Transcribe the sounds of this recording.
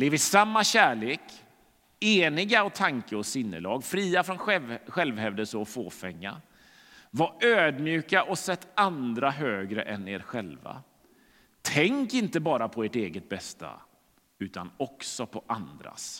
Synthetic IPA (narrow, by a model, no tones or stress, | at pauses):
bleːvɪsamːaɕæːɭeːk | eːnɪɡaɔt̪ʰaŋkəɔsɪnːə̰lɑːɡfɾiːafɾɔnɧɛlvhɛvd̪əsɔfoːfɛŋːa̰ | vaøːd̪mjʉ̟ːkaʔɔsɛt̪ʰːand̪ɾaɦøːɡɾə̰ʔɛnḛːɾɧɛlva̰ | t̪ʰɛŋkɪnt̪əbɑːɾapʰɔeːʈeːɡət̪̚bɛst̪a̰ | ʉ̟ːt̪anɔksɔpʰɔʔand̪ɾa̰s